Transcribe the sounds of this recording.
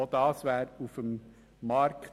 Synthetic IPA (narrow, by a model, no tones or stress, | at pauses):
od̪̥ɑːsʋæːɾufəmː | ɑɾkt